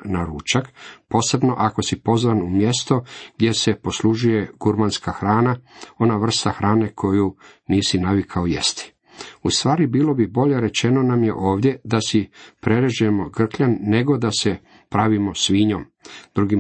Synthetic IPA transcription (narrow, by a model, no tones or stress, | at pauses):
naɾut͡ʃakpo̞ːse̞bno̞ʔako̞sipo̞zʋanumje̞st̪o̞ɡ̥d̪ʲje̞se̞po̞sluʒuje̞ɡ̥uɾmanskaxɾaːnao̞naʋr̩st̪axɾaːne̞kʰo̞ju | niːsinaʋikʰaojḛst̪i̥ | ust̪ʋaːɾibiːlo̞bibo̞ʎe̞ɾe̞t͡ʃe̞no̞namje̞̰ʔo̞ːʋd̪ʲje̞d̪asipɾe̞ɾeʒujemo̞ɡr̩kʎanːe̞ɡo̞d̪ase | pɾaʋimo̞sʋiɲo̞m | d̪̥ɾuɡi